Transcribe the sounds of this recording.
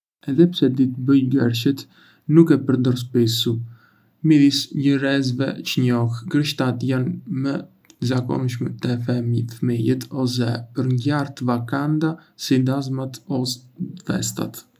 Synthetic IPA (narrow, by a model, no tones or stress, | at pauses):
ɛðɛpsɛd̪it̪əbəjɡɛɾʃət̪ | nukɛpəɾd̪ɔɾspisu | mid̪isɟəɾɛzvɛ̰t͡ʃəɲɔxɡɾəʃt̪at̪janmə | zakɔ̰nʃmɛt̪ɛfɛmfəmijɛt̪ɔs̬ɛpəɾŋɟaɾt̪vakand̪asid̪azmat̪ɔsd̪vɛ̰st̪a̰t̪